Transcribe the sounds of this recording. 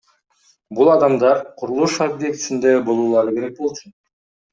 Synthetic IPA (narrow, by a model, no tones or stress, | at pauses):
bulˠɑd̪ɑmd̪ɑɾqʰuɾulˠuʃobje̞kt̪sind̪ebo̞lˠuːlˠɑɾɯke̞ɾe̞k̚bo̞lˠt͡ʃʰun